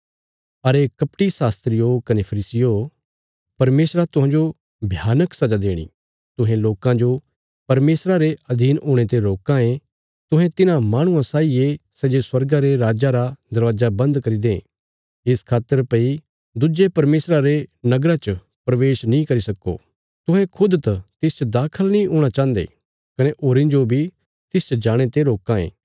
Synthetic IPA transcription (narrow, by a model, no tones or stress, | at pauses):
ɐɾekɐpʈisaːst̪ɾɪjokɐnepʰɐɾiːsɪjo | pɐɾmeːsɾat̪ʊɦãːd͡ʒo | bʱjaːnəksɐd͡ʒad̪eːɽ̃ḭ | t̪ʊɦẽloːkãd͡ʒo | pɐɾmeːsɾaɾeɐd̪ʱiːnoːɽ̃et̪eɾoːkãẽ | t̪ʊɦɛ̃t̪ɪnãmaːɽ̃ʊ̃ãsaːiesɐd͡ʒeswɐɾɡaɾeɾaːd͡ʒaɾad̪ɐɾʋaːd͡ʒabɐ̃nd̪kɐɾid̪ẽː | ɪskʰaːt̪ːəɾpɐi | d̪ʊd͡ʒepɐɾmeːsɾaɾenɐɡɾat͡ʃə | pɾɐʋeːʃnĩkɐɾisɐkːo̰ː | t̪ʊ̃ɦɛ̃kʰʊd̪t̪ɐt̪ɪst͡ʃəd̪aːkʰəlnĩoːɽ̃at͡ʃãːnd̪ḛ | kɐneʔoːɾĩd͡ʒobʱi | t̪ɪst͡ʃəd͡ʒaːɽ̃et̪eɾoːkãḛ̃ː